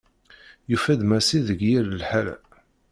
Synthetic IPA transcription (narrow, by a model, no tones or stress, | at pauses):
jufæd̪mæsiðəɡjiləlħalæ̰